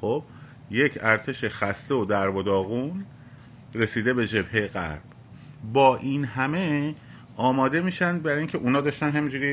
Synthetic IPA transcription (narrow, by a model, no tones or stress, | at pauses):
xob̚ | je̞cʰæɾt̪ʰe̞ʃexæst̪e̞od̪æɾbod̪ɒːɣun | re̞siːd̪e̞be̞d͡ʒe̞bhejeɣæ̰ɾb̥ | bɒːʔiːnɦæme̞ | ʔɒːmɒːd̪e̞miːʃænd̪̚bæɾiːŋcʰe̞ʔunɒːd̪ɒːʃt̪ænɦæmind͡ʒuːɾiː